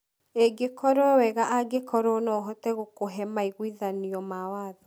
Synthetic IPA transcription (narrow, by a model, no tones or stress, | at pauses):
eɡekɔɾɔwɛɣaʔaɡekɔɾɔnɔɦɔtɛɣokoɦɛmaiɣwiðaniɔmawaːðɔ